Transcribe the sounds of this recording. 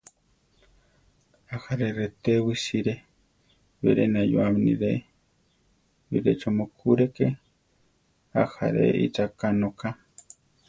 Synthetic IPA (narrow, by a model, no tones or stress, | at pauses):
axaɾeɾet̪eβisiɾe | βḛɾenajoaminḭɾe | βḭɾet͡ʃomokʰuɾeke | a̰xa̰ɾḛʔit͡ʃakanoka